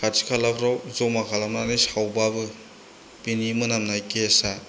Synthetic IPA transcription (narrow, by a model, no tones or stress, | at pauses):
kʰatʰi̥kʰalabʰɾawzomakʰalamnanisawbabɯ | pinimɯnamnajkesa